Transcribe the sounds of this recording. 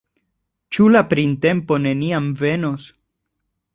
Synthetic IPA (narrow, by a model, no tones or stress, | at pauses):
t͡ʃulapɾinte̞mpo̞ne̞niamve̞no̞s